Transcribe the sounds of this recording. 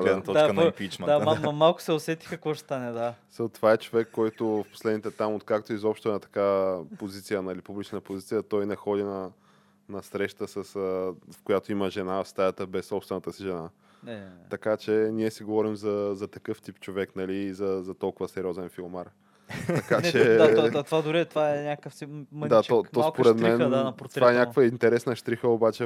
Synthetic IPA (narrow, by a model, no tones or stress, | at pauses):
ɡlɛd̪ətt̪ɔd̪kənɐimpit͡ʃɛd̪aamɐmalˠkʊ̥sɛosɛt̪i̥xɐkvoʃst̪anɛd̪asət̪ovaɛt͡ʃovɛkːɔjt̪ʊfpo̥slɛd̪nit̪ɛt̪amot̪̚kak̚t̪oizɔpʃt̪oɛnɐt̪ɐ̥kavpozit̪sijənɐlipublit͡ʃnəpozit̪sijət̪ɔjnɛxɔd̪inɐ | nɐsɾɛʃt̪əsəsəfkojat̪oiməʒɛnavfst̪ajət̪əbɛsːɔpst̪vɛnət̪əsiʒɛna | ɐkat͡ʃɛnʲiɛsɛɡovɔɾimzɐzɐt̪ɐkɤft̪ipt͡ʃovɛknɐliːzɐzɐt̪ɔlˠkʊvəsɛɾʲiɔzɛnfilˠmaɾ | t̪ɐkanɛt̪ovad̪ʊɾit̪vaɛnʲakəfimat̪ɔt̪ːɔspoɾɛt̪mɛnt̪ovaɛnjakokvəint̪ɛɾɛsnəʃt̪ɾixəobat͡ʃɛ